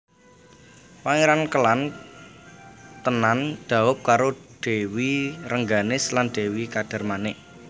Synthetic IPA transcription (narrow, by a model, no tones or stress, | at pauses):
paŋeɾankəlan | t̪ənand̪̥a̤ʊp̚kaɾoɖ̥e̤wiɾəŋɡanɪslanɖ̪̥e̤wikad̥a̤rmanɪʔ